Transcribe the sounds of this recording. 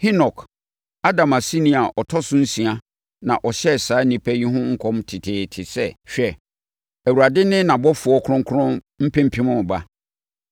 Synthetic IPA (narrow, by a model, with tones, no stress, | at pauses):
hi˦nɔ˨kʰ | a˦dã˨ma˨si˦nĩ˦˨a˨ʔɔ˨tʰɔ˦sʊ̃˦n̩˦sĩ˨a˦ | nã˨ʔɔ˨ɕɛ˦˨saː˨˦nĩ˨pʰɛ˦ji˦ɦʊ̃˦ŋ̩˦kʰɔ̃˦mtʰɪ˨tʰɪː˨tʰɪ˨sɛ˦ɕᶣɛ˨ | æ˨wu˨ɾa˨dɪ˦nɪ̃˦nã˨bɔ˦fʊ˨ɔ˦kʰʊ̃˦ŋ˦kʰʊ˦ʊ̃˦ | m̩˦pʰɛ̃˦m̩˦pʰĩ˦mʊ̃˦˨ba˦